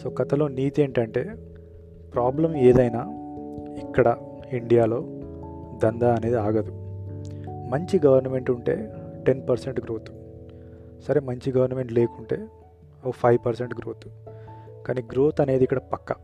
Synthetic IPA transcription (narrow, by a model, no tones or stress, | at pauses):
so̞ːkɐt̪ɐlo̞ːniːt̪e̞ːɳʈɐɳʈe̞ː | pɾaːblɐmeːd̪ɐjnaː | ikːɐɽɐ | iɳɖijaːlo̞ːd̪ɐnd̪aːɐne̞ːd̪iaːɡɐd̪u | mɐɲt͡ʃiɡɐʋɐɾnɐme̞ɳʈuɳʈe̞̰ːʈenpɐɾse̞ɳʈɡɾo̞ːt̪u̥ | sɐɾemɐɲt͡ʃiɡɐʋɐɾnɐme̞ɳʈle̞ːkuɳʈe̞ː | ɐʋupʰɐjʋpɐɾseɳʈɡɾo̞ːt̪u̥ | kaːniːɡɾo̞ːt̪ɐne̞ːd̪ikːɐɽɐpɐkːɐ